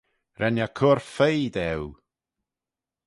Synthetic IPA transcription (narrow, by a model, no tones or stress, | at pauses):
rʔɛnjakʰʊrfejdɛw